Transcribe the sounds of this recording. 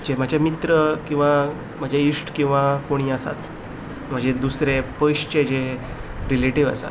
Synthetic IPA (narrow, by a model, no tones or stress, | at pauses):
d͡ʑem̤əd͡ʑʱemit̪ɾəkĩw̃ʋa | m̤əd͡ʑʱeisʈkĩw̃ʋakoɽ̃iːəsa̰t̪ | m̤ə̃d͡ʑed̪usɾepəjɕt͡ɕed͡ʑeɦ | ɾileʈiʋə̰sa̰t̪